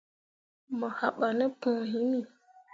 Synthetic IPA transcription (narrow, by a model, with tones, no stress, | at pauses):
mə˨ha˨ɓa˨nɛ˦pũ˨ɦi˦ni˦˨